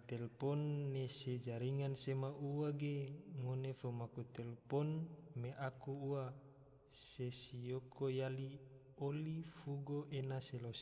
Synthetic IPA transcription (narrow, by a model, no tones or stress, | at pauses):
t̪ɛlpɔnːesed͡ʒaɾiŋansemaʔuaɡeŋonefomakut̪ɛlpɔnmeʔakuua | sesijokojali | olifuɡoʔenaselos